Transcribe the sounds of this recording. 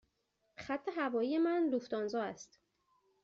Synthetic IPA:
xæt̪ʰːe̞ɦævɒːjijemænluft̪ɒːnzɒːæst̪

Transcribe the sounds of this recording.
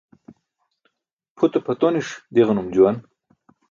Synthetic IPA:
pʰut̪opʰɐt̪oniʂd̪iʁnumd͡ʑuwan

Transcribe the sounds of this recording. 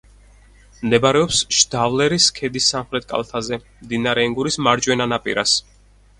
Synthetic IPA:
md̪ɛbaɾɛɔpsʃd̪̥avlɛɾiskʰɛd̪isːamχɾɛt̪̚kʼa̰lˠt̪ʰazɛ | md̪inaɾɛːŋɡuɾismaɾd͡ʒwɛnanapʼḭɾas

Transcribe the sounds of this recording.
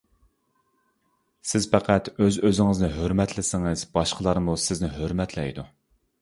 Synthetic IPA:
sɪz̥pæqʰæt̪øzøzɪŋɪznɪɦøɾmɛt̪ʰlɪsɪŋɪz̥bɑʃqəlˠɑɾmusɪznɪɦøɾmɛt̪ʰlɛ̰jd̪u

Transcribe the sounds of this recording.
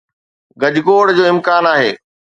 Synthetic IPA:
ɡɐd͡ʑɡoːɽd͡ʑoːɪmkaːnaːɦeː

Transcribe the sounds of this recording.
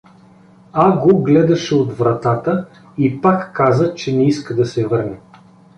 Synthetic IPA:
aɡoɡlɛd̪ɐʃɛod̪vɾɐt̪at̪ə | ipakːazət͡ʃɛnɛiskəd̪ɐsɛvɤɾnɛ

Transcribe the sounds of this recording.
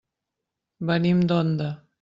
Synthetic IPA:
banimd̪ɔnd̪a

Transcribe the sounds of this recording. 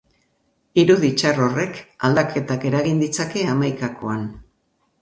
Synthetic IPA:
iɾuðit͡ʃaro̞re̞ka̰ld̪akʰe̞t̪ake̞ɾaɣind̪it͡sake̞amajkako̞an

